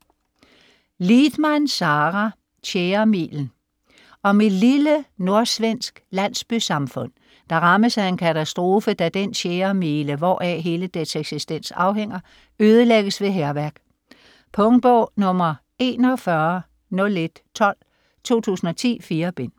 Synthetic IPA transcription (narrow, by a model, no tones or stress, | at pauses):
lid̥mænsɑ̈ːʁɑ | ɕeːɐmḭːln̩ | ɒ̽me̝̥liləno̝ɐsʋen̰sɡ̥læn̰sb̥ysɑ̈mfɔ̽n̰ | d̥ɑ̈ʁɑ̈məsæe̝nkʰæt͡sʰæsd̥ʁo̝ːfəd̥æd̥enɕeːɐmiːləʋɒ̰ːʔɛɦe̝ːləd̥eseɡ̥sisd̥en̰sɑ̈ʊɦeŋ̰ɐ | øːð̞ˠəleɡ̥əsʋe̝ɦeɐʋæɐɡ̥ | pʰɔŋd̥̚b̥ɔʊ̰nɔ̽mɐ | e̝̰ːnɒ̽fɶɐ | nɔ̽le̝d̥t͡sʰɒ̽l̰ | t͡sʰo̝̰ːt͡sʰṵːsn̩ɒ̽t͡sʰḭːfiːɐb̥e̝n̰